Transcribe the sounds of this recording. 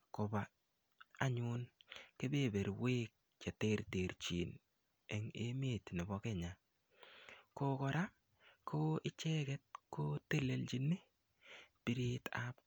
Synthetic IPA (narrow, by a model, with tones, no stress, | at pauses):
kɔ˨ba˨ | a˦ɲʊ˦nke˦be˦˨be˨ɾwe˦k̚ | t͡ʃe˨te˦ɾte˨ɾt͡ʃi˨n | e˨ŋe˦me˨t̪nɔ˨bɔ˦ke˦ɲa˨ | ko˦kɔ˨ɾa˦ | kʰo˦ɪ˦t͡ʃɛ˦kɛ˦t̚ko˦te˦le˨ld͡ʒi˦ne˦ | pi˦ɾi˦tap